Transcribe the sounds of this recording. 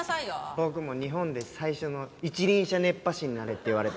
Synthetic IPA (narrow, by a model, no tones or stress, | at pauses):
bo̞kɯ̟mo̞ɲ̟iɦõ̞nd̪e̞saiɕo̞no̞it͡ɕiɾʲĩɰ̃ɕane̞pːaɕiɲ̟inaɾet̪ːe̞iβaɾe̞t̪